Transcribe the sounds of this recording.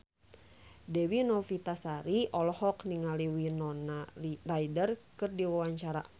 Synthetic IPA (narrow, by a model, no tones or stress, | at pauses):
dɛwinɔfit̪asaɾiʔɔlɔhɔkniŋaliwinɔnarajdərkɨrdiwawaɲt͡ʃaɾa̰